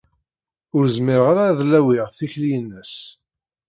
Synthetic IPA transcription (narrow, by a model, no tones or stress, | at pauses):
ʊɾzmɪɾʁaɾaðlæwiʁθiçlijənːəs